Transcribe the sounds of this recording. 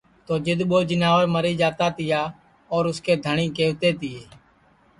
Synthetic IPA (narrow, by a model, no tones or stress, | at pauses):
t̪oːd͡ʒɪd̪ɓoːd͡ʒɪnaːʋəɾməɾiːd͡ʒaːt̪aːt̪ɪjaː | ɔːɾʊskeːd̪ʱəɳiːkeːʋt̪eːt̪ɪːeː